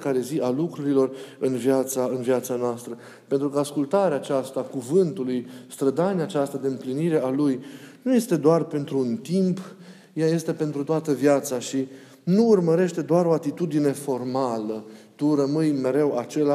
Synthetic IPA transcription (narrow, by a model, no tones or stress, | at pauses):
kaɾe̞ziʔalukɾuɾilo̞rɨnvjat̪saɨnvjat̪sanoast̪ɾə | pe̞nt̪ɾukəaskult̪aɾeaːt͡ʃast̪akuvɨnt̪ulujst̪ɾəd̪aneaːt͡ʃast̪ad̪e̞ɨmpliniɾe̞alujnuje̞st̪e̞d̪oarpe̞nt̪ɾuːnt̪imp | jaje̞st̪e̞pe̞nt̪ɾut̪oat̪əvjat̪saʃi | nuːrməɾe̞ʃt̪e̞d̪oaɾo̞at̪it̪ud̪ine̞fo̞rmalət̪urəmɨjme̞ɾe̞wat͡ʃe̞la